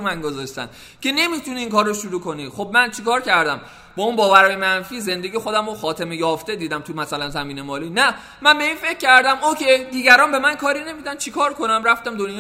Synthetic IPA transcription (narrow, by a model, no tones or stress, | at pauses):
mænɡozɒʃt̪æ̰n | cʰe̞ne̞mit̪ʰuniːŋkʰɒːɾːoʃuɾuːkʰo̞nixob̚mænt͡ʃʰikɒːɾcʰæɾd̪æm | b̥ɒːunbɒːvæɾɒːjemænfiːze̞nd̪e̞ɡiːxo̞d̪æmoxɒːt̪ʰemejɒːft̪e̞d̪iːd̪æmt̪ʰumæsælænzæmiːne̞mɒːliːnæ | mænbeiːnfe̞cʰʲːæɾd̪æmokʰed̪iːɡæɾɒːnbe̞mænkʰɒːɾine̞mid̪ænt͡ʃʰikʰɒːɾkʰo̞næmræft̪æmd̪onjː